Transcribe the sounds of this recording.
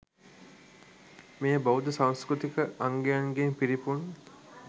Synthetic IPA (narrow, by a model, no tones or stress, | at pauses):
mejəbaud̪əsaw̃skɾut̪ikəʔaŋɡejɐŋɡempiɾipun